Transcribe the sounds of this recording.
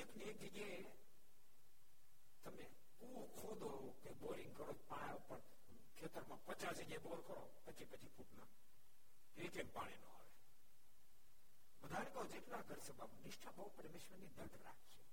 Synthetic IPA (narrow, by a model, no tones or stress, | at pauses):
ekniek̚d͡ʒəɡe | t̪əme | ku | kʰod̪oɾokeboɾiŋɡkəɾod͡ʒpaɽ̃aopəɳ | kʰet̪əɾmãpət͡ʃasəɡeboɾkəɾo̰ | pət͡ʃʰipət͡ʃʰipʰuʈna | ekempaɽ̃inõ̰ɦoʋe | ʋəd̪ʱanekəod͡ʒeʈnaɡʱəɾsəbʱamnɪʃʈʰabəupəɾmeʃʋəɾnid̪əɾɖ̪ɾa̰kʰʃe